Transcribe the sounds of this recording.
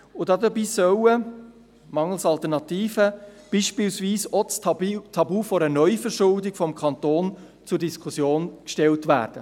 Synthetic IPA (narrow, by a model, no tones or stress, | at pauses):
ʊdɑd̪əbiːsœwə | mɑŋːəl̩sɑlt̪əɾnɑt̪iːfəb̥iːʃpiːlsʋiːsɔt͡stʰɑbuːfɔɾənœʏfəɾʃʊldɪɡ̥fɔmkʰɑnt̪oːn | t͡sʊɾdiskʰʊsjoːnkʃtɛltʋæ̰ːɾd̥ə